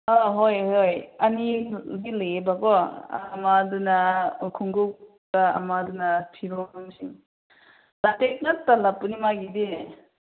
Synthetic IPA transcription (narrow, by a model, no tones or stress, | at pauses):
aɦojhojaniɡilebakɔamadunakʰuŋɡuk | kaa̰madunatʰibɔnuŋsiŋ | latek̚natalapunimaɡide